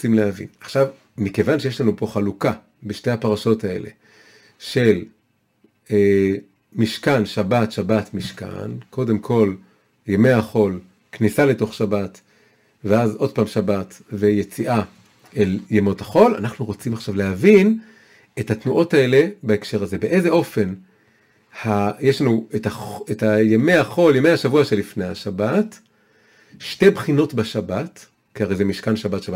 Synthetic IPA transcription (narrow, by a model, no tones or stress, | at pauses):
t͡simlehavḭnaχʃav | mike̞vanʃeje̞ʃlanupo̞χaluka | beʃte̞apaʁaʃo̞tae̞̰le̞̰ | ʃe̞l | e | miʃkanʃabatʃabatmiʃka̰nko̞de̞mkʰo̞l | jeme̞aχo̞l | knisale̞to̞χʃabat | veazo̞d̚paːmʃabatve̞je̞t͡siʔa | eljemo̞taχo̞la̰naχnuʁot͡simaχʃavlehavin | e̞thatnuʔo̞tae̞le̞baekʃe̞ʁaze̞be̞ʔe̞zeʔo̞fe̞n | hajeʃlanuetaχetajeme̞jaχo̞ljeme̞jhaʃavuaʃelifnejhaʃabat | ʃte̞jbχino̞tbaʃabat | kiaʁejzemiʃkanʃabatʃaba